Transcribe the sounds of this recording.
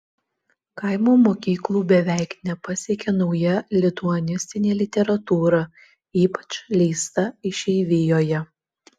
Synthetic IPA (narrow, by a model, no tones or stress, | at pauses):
kɐɪmoːmoːkʲiːklˠuːbʲɛʋʲæˑɪknʲɛpɐsʲekʲɛnɔʊjɛlʲɪt̪uɔnʲɪsʲt̪ʲɪnʲeːlʲɪt̪ʲɛɾɐt̪uːɾɐ | iːpɐ̥t͡ʃlʲɛɪst̪ɐɪʃʲɛɪʋʲɪjoːjɛ